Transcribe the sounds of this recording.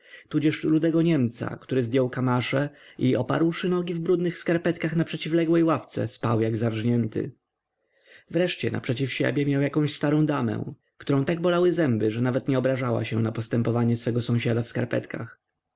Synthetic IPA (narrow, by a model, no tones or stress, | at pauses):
t̪ud͡ʑɛʂlud̪ɛɡɔɲɛmt̪sa̰kt̪uɾɘzd̪ʲjɔwkamaʂɛʔiɔpa̰ɾwʂɘnɔɡʲivbɾud̪nɘxskaɾpɛt̪kaxnapʂɛt͡ɕivlɛɡwɛjwaft̪sɛ̰spawjaɡzaɾʐɲɛnt̪ɘ̰ | vɾɛʂt͡ɕɛna̰pʂɛt͡ɕifɕɛ̰bʲjɛmjawjakɔ̃ɕst̪aɾɔ̃d̪amɛ̰̃ | kt̪uɾɔ̃w̃t̪aɡ̚bɔlawɘzɛmbɘʐɛnavɛt̪ɲɛɔbɾaʐawa̰ɕɛnapɔst̪ɛmpɔvaɲɛsfɛɡɔsɔ̃w̃ɕad̪afska̰ɾpɛ̰t̪ka̰x